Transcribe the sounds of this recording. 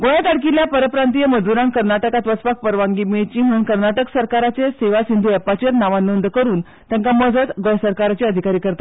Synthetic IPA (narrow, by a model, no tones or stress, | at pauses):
ɡojat̪aɽkiljapəɾəpɾant̪ijəməd͡zuɾãŋkəɾnaʈəkat̪ʋət͡spak̚pəɾʋãŋɡimeɭet͡ɕiːm̤əɽ̃uːnkəɾnaʈəksəɾkaɾat͡seseʋasind̪ʱuɛpat͡ɕəɾnaʋanːond̪kəɾuːn | t̪ãŋkaməd͡zʱət̪ɡojsəɾkaɾat͡ɕeəd̪ʱikaɾiːkəɾt̪a